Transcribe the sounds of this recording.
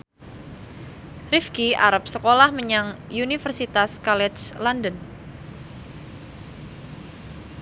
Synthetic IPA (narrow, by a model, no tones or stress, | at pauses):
rifkiaɾəp̚səkolahməɲaŋjunifərsit̪askalɛt͡ʃlandən